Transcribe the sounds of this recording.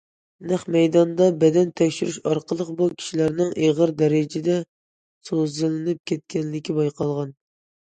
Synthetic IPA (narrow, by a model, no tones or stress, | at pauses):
næχmɛjd̪ɑnd̪ɑbɛd̪ɛnt̪ʰɛkʲʃyɾyʃɑɾqʰəlˠəqbukʲʰi̥ʃilæɾnɪŋʔeʁəɾd̪ɛɾɪd͡ʒɪd̪ɛ | sozɨlɪnɨp̚kʲʰɛt̪̚kʲʰɛnlɪkʲʰibɑjqʰɑlˠʁɑn